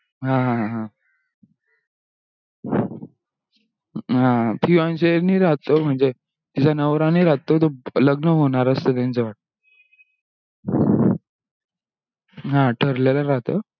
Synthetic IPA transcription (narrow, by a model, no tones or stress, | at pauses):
ɦãɦãɦã | ɦãat̪ʰiʋãnɕeniːɾat̪om̤əɳd͡ze | t̪it͡sʰanəʋɾãniɾat̪ot̪̬oləɡnəɦoɽ̃aɾəst̪ət̪̬jãnt͡səʋaʈ̚to | ɦãʈʰəɾlelaɾat̪o